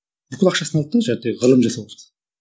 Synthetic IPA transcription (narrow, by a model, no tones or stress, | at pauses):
b̥ʏkʲɪlˠɑqʃɑsənɑl̚ˠt̪ːəʒæd̪eʁəlˠəmʒesebo